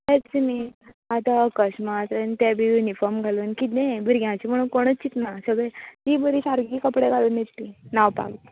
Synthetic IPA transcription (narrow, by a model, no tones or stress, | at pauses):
t̪ɛtt͡simi | at̪akəɕmat̪ənt̪jabʱijunifɔɾmɡʱaluːnkit̪nẽbʱiɾɡjãt͡ɕim̤əɽũnkoɽ̃ət͡st͡ɕːit̪nasəɡɭet̪ibəɾiɕaɾɡiːkəpɽeɡʱalənit̪t̪inaʋpa̰ɡt̪